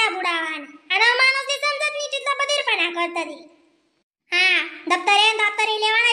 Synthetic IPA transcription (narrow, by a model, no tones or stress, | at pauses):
abuɽaʋanianəmanosd̪isəmd͡zət̪mit͡ɕit̪labəd̪ʱiɾpənakəɾt̪əd̪i | ɦãd̪ək̚t̪əɾeənd̪ak̚t̪əɾĩleʋana